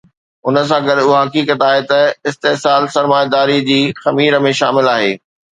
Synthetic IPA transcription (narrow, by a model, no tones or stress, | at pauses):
ʊnə̆s̬ãɡɐɾuɦɐkiːkət̪aːɦet̪ɐɪst̪eɦsaːlsɐɾmaːjd̪aːɾid͡ʑiːxɐmiːɾə̆mẽʃaːmɪlaːɦḛː